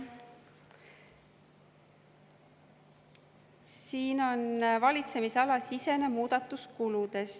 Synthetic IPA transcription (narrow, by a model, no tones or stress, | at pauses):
siːno̞nvɑlʲit̪se̞miseɑlɑsise̞ne̞muːd̪̥ɑt̪ːˑuskulud̪̥e̞s